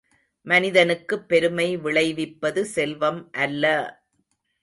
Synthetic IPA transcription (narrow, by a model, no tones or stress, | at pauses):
mɐnɪðɐnɯkːɯpːɛɾɯmɐɪʋɪɭɐɪʋɪpːɐðɯsɛlʋɐmʔɐlːɐ